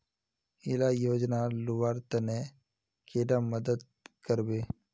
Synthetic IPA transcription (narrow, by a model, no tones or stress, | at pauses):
ɪlajoːd͡ʒnalʊʋaːɾt̪əne | kʰeːɖaməd̪əd̪̚ | kəɾbeː